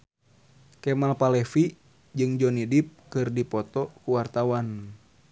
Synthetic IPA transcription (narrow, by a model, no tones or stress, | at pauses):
kɛmalpalɛfi | d͡ʒɨŋd͡ʒɔnidip̚kɨrdipɔt̪ɔkuwart̪awan